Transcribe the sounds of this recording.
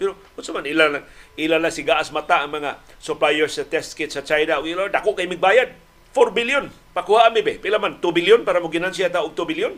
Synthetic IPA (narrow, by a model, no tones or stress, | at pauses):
pɛɾo | ʊt̪somanilalaŋʔilalaŋsɪɡaʔasmat̪aʔaŋmaŋa | sʊplajɛɾsːat̪ɛst̪̚kɪt̪sat͡ʃajnaʊɡilad̪akoʔkajmɪɡ̚baːjad̪̚ | foɾbɪljʊn | pakuhaʔamɪbepɪlamant̪ubɪljʊnpaːɾamʊɡɪnansɪjat̪aʊɡ̚t̪ʊbɪljʊn